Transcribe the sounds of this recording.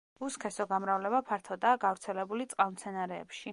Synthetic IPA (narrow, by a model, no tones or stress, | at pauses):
uskʰɛsɔɡamɾavlɛbapʰaɾt̪ʰɔd̪aːɡavɾt̪sʰɛlɛbulit̪sʼqʼalmt̪sʰɛnaɾɛ̰ːpʃi